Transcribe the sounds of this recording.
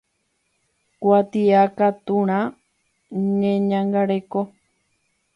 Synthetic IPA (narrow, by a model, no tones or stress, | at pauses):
kwat̪iakat̪uɾ̃ã | ɲẽɲãŋɡaɾeko